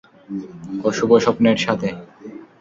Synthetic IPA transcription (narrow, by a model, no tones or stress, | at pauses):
oʃuboʃɔpneɾʃat̪ʰe